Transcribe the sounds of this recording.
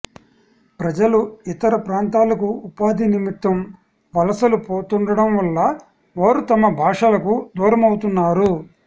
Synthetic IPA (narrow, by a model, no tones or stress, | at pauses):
pɾɐd͡ʒɐluit̪ɐɾɐpɾaːnt̪aːlɐkuupaːd̪ʱinimit̪ːɐm | ʋɐlɐsɐlupoːt̪uɳɖɐɽɐmʋɐlːa | ʋaːɾut̪ɐmɐbʱaːʂalɐkud̪uːɾɐmɐwt̪unːaːɾu